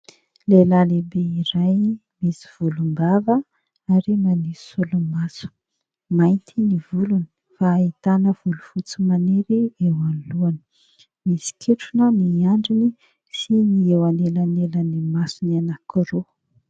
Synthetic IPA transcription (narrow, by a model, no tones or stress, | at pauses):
lelalebeiɾajmesi̥v̥ulumbavə | aɾimanisulumasu̥ | majnt̪ʰinivuluni̥ | faːit̪anəv̥ulufut͡sumaneɾiewanluani̥ | misi̥kʰeʈ͡ʂunəniaɳɖ͡ʐini | siniewanelanelənimasunianakʰiɾo